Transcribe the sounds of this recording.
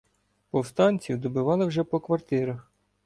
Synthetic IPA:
pɔwst̪ɑnʲt͡sʲiwd̪ɔbɪʋɑlˠɪwʒɛpɔkʋɐrt̪ɪɾɐx

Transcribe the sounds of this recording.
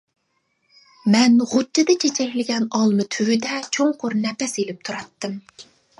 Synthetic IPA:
mɛnʁʊtʰːɨd̪ɨt͡ʃʰet͡ʃʰɛkʲlɪɡʲɛnɑlˠmɨt̪ʰywyd̪ɛt͡ʃʰoŋqʰʊɾnɛpɛselɪp̚t̪ʰuɾɑt̪ːɨm

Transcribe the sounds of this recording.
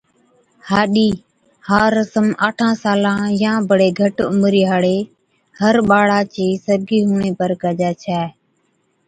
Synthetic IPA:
haːɗiː | haːɾːəsəmaːʈʰãːsaːlãːjãːbəɽeːɡʱəʈʊ̰mɾiːɦaːɽeː | həɾɓaːɽaːt͡ʃeːsəɾɡiːɦuːɳeːpəɾkaːd͡ʒaːt͡ʃʰɛː

